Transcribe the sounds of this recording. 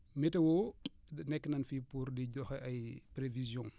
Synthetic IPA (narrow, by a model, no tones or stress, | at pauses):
mɛtɐwɔ | nɛkːnɐnfipuɾdiɟɔxʔɐjpɾevizjɔ̃ŋ